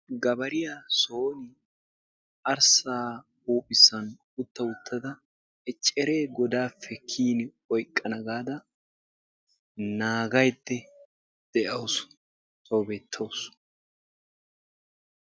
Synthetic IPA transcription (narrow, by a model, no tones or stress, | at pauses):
ɡɐbɐɾɪjaːsoːnɪ | ɐɾsaː | uːpʼːɪsːɐn | ʊt̪ːɐʊt̪ʰːɐd̪ɐ | ɛt͡ʃʼɛɾe̞ːɡɔd̪aːfːɛkʰiːnɪ | ɔjkʼːɐnɐɡaːd̪ɐ | naːɡɐjd̪ːɛ | d̪̥ɛʔɐwʊs | t̪ʼoːbeːt̪ʰːɐws